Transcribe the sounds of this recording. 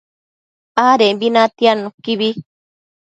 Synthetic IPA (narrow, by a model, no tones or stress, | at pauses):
aɾembinãt̪ianũkiβi